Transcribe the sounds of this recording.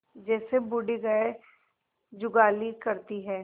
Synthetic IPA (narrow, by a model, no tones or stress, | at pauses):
d͡ʒɛːsebʊɖiɡəe | d͡ʒʊɡaːlikɐɾt̪iɦɛː